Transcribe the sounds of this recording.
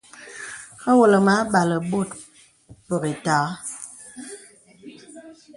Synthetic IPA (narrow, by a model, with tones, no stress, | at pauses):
ɣə˦wo˨lə˨ma˨˦ɓa˨lə˨bo˦˨t | pə˨be˨ta˨˦